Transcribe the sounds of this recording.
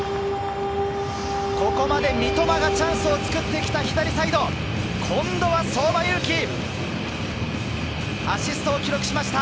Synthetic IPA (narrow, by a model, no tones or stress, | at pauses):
ko̞ko̞mad̪e̞mʲit̪o̞baɡat͡ɕãɰ̃sɨo̞t͡sɨ̥kɯ̟t̪ːe̞kʲi̥t̪açʲi̥t̪aɾʲisaid̪o̞ | kʰõ̞nd̪o̞βaso̞ːbajɯkʲi | aɕisɨ̥t̪o̞ːkʲiɾo̞kɯ̟ɕimaɕi̥t̪a